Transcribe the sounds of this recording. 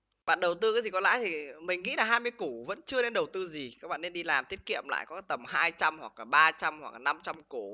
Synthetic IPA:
ɓa̰ː˧˨nɗə˨˩wt̪ɨ˧kːt̪i˨˩kɔ˨˦la̰ː˧˥jt̪ʰi˨˩mï˨˩ŋ̟ːḭ˧˥laː˨˩ɦaː˧jmɨ˧əku˧˩və̰˧˥nt͡ɕɨ˧əne˧nɗə˨˩wt̪ɨ˧zi˨˩kaː˦˥k̚ɓa̰ː˧˨ne˧nɗi˧laː˨˩mt̪ʰi˦˥ət̚kḭ˧˨əmla̰ː˧˨jkɔ˨˦t̪ə˨˩mhaː˧jt͡ɕa˧mhwa̰˨˩k̚laː˨˩ɓaː˧t͡ɕa˧mhwa̰˨˩k̚lːna˧mt͡ɕa˧mku˧˩

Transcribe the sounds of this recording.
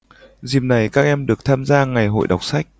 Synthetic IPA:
zi˨˩m̚na˨˩jkaː˦˥k̚ʔɛ˧mɗɨ˨˩ək̚t̪ʰaː˧mzaː˧ŋa˨˩jɦo̰˧˨jɗa˨˩wk͡p̚sa˦˥jk̟̚

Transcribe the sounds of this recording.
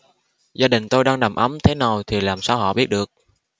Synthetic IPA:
zaː˧ɗï˨˩ŋ̟t̪o˧jɗaː˧ŋɗa˨˩mʔə˨˦mt̪ʰe˨˦na˨˩wt̪ʰi˨˩laː˨˩msaː˧wɦɔ̰˧˨ɓi˦˥ət̚ɗɨ˨˩ək̚

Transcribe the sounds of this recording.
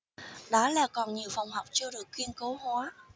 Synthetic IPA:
ɗɔ˨˦laː˨˩kɔ˨˩nɲi˨˩əwfa˨˩wŋ͡mɦɔ˨˩wk͡p̚t͡ɕɔ˧ɗɨ˨˩əkːwi˧ənko˨˦whwaː˨˦

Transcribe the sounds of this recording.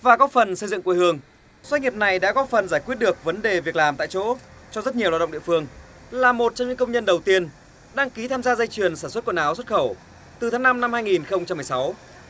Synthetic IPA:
vaː˨˩kɔ˨˦fə˨˩nsə˧jzɨ̰˧˨ŋkwhɨ˧əŋ | swa˧˥t̚ŋi˨˩p̚na˨˩jɗa̰ː˧˥kɔ˨˦fə˨˩nzaː˧˩jkwi˦˥t̚ɗɨ˨˩ək̚və˨˦nɗe˨˩vi˨˩ək̚laː˨˩mt̪a̰ː˧˨jt͡ɕo̰˧˥t͡ɕɔ˧zə˦˥t̚ɲi˨˩waː˧˩ɗə̰˧˨ɗḭ˧˨fɨ˧əŋ | laː˨˩mo˨˩t̚t͡ɕɔ˧ŋ͡mɲɨ̰˧˥ŋkə˧wŋ͡mɲə˧nɗə˨˩wt̪i˧ən | ɗaː˧ŋki˨˦t̪ʰaː˧mzaː˧zə˧jt͡ɕɨ˨˩ənsaː˧˩nswə˦˥t̚knaː˨˦wswə˦˥t̚xə˧˩w | t̪ɨ˨˩t̪ʰaː˨˦na˧mna˧mhaː˧jŋi˨˩nxə˧wŋ͡mt͡ɕa˧mːɨ˨˩sa˨˦w

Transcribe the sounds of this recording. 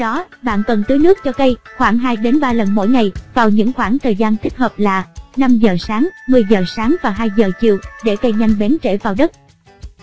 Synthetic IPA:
ɗɔ˨˦ɓa̰ː˧˨nkə˨˩nt̪əɨ˨˦jnɨ˦˥ək̚t͡ɕɔ˧kə˧jxwaː˧˩ŋɦaː˧jɗe˨˦nɓaː˧lə˨˩nmo̰˧˥jŋa˨˩jvaː˨˩wɲɨ̰˧˥ŋxwaː˧˩ŋt̪ʰəː˨˩jzaː˧nt̪ʰi˦˥k̚həː˨˩p̚laː˨˩na˧mzəː˨˩saː˨˦ŋmɨ˨˩əjzəː˨˩saː˨˦ŋvaː˨˩ɦaː˧jzəː˨˩t͡ɕḭ˧˨əwɗe˧˩kə˧jɲa˧jŋ̟ɓɛ˨˦nt͡ɕḛ˧˩vaː˨˩wɗə˦˥t̚

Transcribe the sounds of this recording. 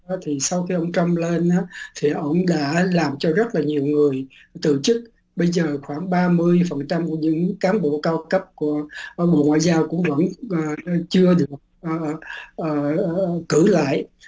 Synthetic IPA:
t̪ʰi˨˩sa˧wxi˧ʔə˧wŋ͡mt͡ɕə˧mle˧nʔaː˨˦t̪ʰi˨˩ʔə̰˧˥wŋ͡mɗa̰ː˧˥laː˨˩mt͡ɕɔ˧zə˦˥t̚laː˨˩ɲi˨˩əwŋɨ˨˩əj | t̪ɨ̰˧˨t͡ɕɨ˦˥k̚ | ɓə˧jzəː˨˩xwaː˧˩ŋɓaː˧mɨ˧əjfə˨˩nt͡ɕa˧mku˧˩ɲɨ̰˧˥ŋkaː˨˦mɓo̰˧˨kaː˧wkə˦˥p̚ku˧˩ə˧ɓo̰˧˨ŋwa̰ː˧˨jzaː˧wkʊ̰˧˥ŋ͡mvə̰˧˥nʔəː˨˩t͡ɕɨ˧əɗɨ˨˩ək̚ʔəː˨˩ʔəː˨˩kɨ˧˩la̰ː˧˨j

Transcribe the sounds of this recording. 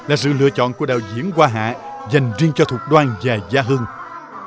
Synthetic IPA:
laː˨˩sɨ̰˧˨lɨ̰˧˨ət͡ɕɔ̰˧˨nku˧˩əɗa̰ː˧˨wzḭ˧˥əŋkwaː˧ɦa̰ː˧˨za˨˩jŋ̟zi˧əŋt͡ɕɔ˧t̪ʰu˨˩ək̚ɗwaː˧nzaː˨˩zaː˧ɦɨ˧ŋ

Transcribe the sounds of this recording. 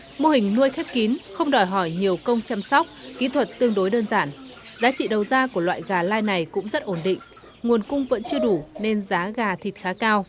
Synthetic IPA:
mo˧hï˨˩ŋ̟nu˧əjxɛ˦˥p̚ki˨˦nxə˧wŋ͡mɗɔ˨˩jɦɔ˧˩jɲi˨˩əwkə˧wŋ͡mt͡ɕa˧msɔ˦˥k͡p̚kḭ˧˥t̪ʰwə˨˩t̚t̪ɨ˧əŋɗo˨˦jɗəː˧nzaː˧˩n | zaː˨˦t͡ɕḭ˧˨ɗə˨˩wzaː˧ku˧˩əlwa̰ː˧˨jɣaː˨˩laː˧jna˨˩jkʊ̰˧˥ŋ͡mzə˦˥t̚ʔo˧˩nɗḭ̈˧˨ŋ̟ | ŋu˨˩ənkʊ˧ŋ͡mvə̰˧˥nt͡ɕɨ˧əɗu˧˩ne˧nzaː˨˦ɣaː˨˩t̪ʰi˨˩t̚xaː˨˦kaː˧w

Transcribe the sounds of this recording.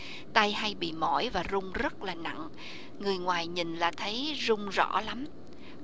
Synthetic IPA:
t̪a˧jha˧jɓḭ˧˨mɔ˧˩jvaː˨˩zʊ˧ŋ͡mzə˦˥t̚laː˨˩na̰˧˨ŋ | ŋɨ˨˩əjŋwaː˨˩jɲi˨˩nlaː˨˩t̪ʰə˨˦jzʊ˧ŋ͡mzɔ̰˧˩˥la˨˦m

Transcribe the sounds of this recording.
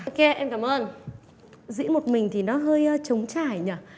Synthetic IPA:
o˧ke˧ʔɛ˧mkaː˧˩mʔəː˧n | zḭ˧˥ənmo˨˩t̚mï˨˩ŋ̟t̪ʰi˨˩nɔ˨˦ɦəː˧jt͡ɕə˨˦wŋ͡mt͡ɕaː˧˩jɲaː˨˩

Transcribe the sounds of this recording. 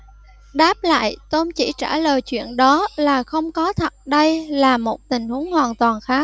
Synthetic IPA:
ɗaː˦˥p̚la̰ː˧˨jt̪o˧mt͡ɕi˧˩t͡ɕaː˧˩ləː˨˩jt͡ɕwḭ˧˨ənɗɔ˨˦laː˨˩xə˧wŋ͡mkɔ˨˦t̪ʰə˨˩t̚ɗə˧jlaː˨˩mo˨˩t̚t̪ï˨˩ŋ̟hu˨˦əŋhwaː˨˩nt̪waː˨˩nxaː˨˦˥

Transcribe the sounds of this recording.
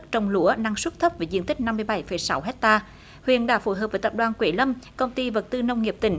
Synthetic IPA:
t͡ɕə˧wŋ͡mlu˧˨˦əna˧ŋswə˦˥t̚t̪ʰə˦˥p̚veː˨˧˩zḭ˧˨ənt̪ï˦˥k̟̚na˧mːɨ˧əjɓa˧˩jfə˨˩jsa˨˦wɦɛ˦˥k̚t̪aː˧ | hwḭ˧˨ənɗaː˧˩fo˧˩jɦəː˨˩p̚vəː˨˩t̪ːp̚ɗwaː˨˩nkwe˧˩˦lə˧mkə˧wŋ͡mt̪i˧və˨˩t̚t̪ɨ˧nə˧wŋ͡mŋi˨˩p̚t̪ï˧˩˦ŋ̟

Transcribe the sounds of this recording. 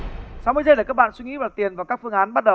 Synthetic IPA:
saː˨˦mɨ˧˦zə˧ləː˨˩kaː˦˥k̚ɓa̰˧˨nswi˧ŋḭ˧˥vaː˨˩t̪i˨˩ənvaː˨˩wkaː˦˥k̚fɨ˧əŋʔaː˨˦nɓa˦˥t̚ɗə˨˩w

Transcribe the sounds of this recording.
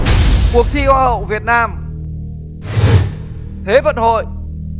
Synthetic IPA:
ku˨˩ək̚t̪ʰi˧ʔwaː˧hə̰˧˨wvi˨˩ət̚naː˧m | t̪ʰe˨˦və̰˧˨nho̰˧˨j

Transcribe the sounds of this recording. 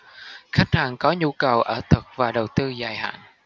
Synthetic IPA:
xa˦˥jk̟̚haː˨˩nkɔ˨˦ɲu˧kə˨˩wʔəː˧˩t̪ʰɨ˨˩k̚vaː˨˩ɗə˨˩wt̪ɨ˧zaː˨˩jha̰ː˧˨n

